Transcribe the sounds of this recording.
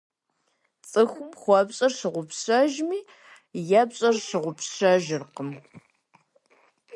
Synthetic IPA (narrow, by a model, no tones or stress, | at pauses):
t͡sʼɨxʷʊmχʷɔbɕʼɐrʂɨʁʷʊpsɕɐʒmiː | jɐpɕʼɐrʂɨʁʷʊpɕɐʒɪrqəm